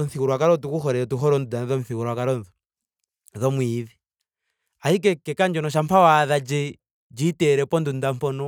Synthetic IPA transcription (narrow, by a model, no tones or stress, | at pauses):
ɔn̩θikuɾwakaɾɔtukuxɔɾɛtuɦɔɾɔndudanðɔɱθikuɾwakaɾɔnðɔ | ðɔmwiːði | ahik̬ɛkɛkand͡ʒɔnɔʃ̬ampʰawaðad͡ʒɛ | d͡ʒiːtɛɾɛpɔndundampɔnɔ